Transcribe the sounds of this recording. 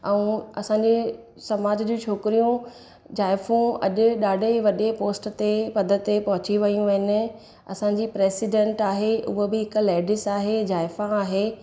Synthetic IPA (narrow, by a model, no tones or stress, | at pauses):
ɛ̃ũɐsãɲd͡ʑe | sɐmaːd͡ʑd͡ʑũːt͡ɕʰoːkɪɾijũ | d͡ʑaːɪfũɐ̰ʄʊ̆ɗaːɖʱeʋɐɗepoːsʈt̪epɐd̪ʱət̪ːepɐɦʊt͡ɕiʋɐjũʋɐɦɪnɪ̆ | ɐ̰sãːɲ̆d͡ʑiːpɾeːsɪɖẽːɳʈaːɦeʊ̰ɦobɪɦɪkleːɖɪsaːɦed͡ʑaːɪfãːɦeː